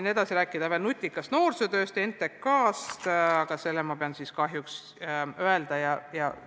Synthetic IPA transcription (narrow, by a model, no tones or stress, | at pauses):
ne̞d̪̥ɑsiɾæːkːˑid̪̥ɑve̞lnut̪ʲˑːikːˑɑst̪no̞ːrset̪ø̞ːst̪ent̪ːekːɑːst̪ɑɡ̥ɑse̞lːemɑpe̞ɑnsiskɑɦjuks | øeld̪ɑjɑjɑ̰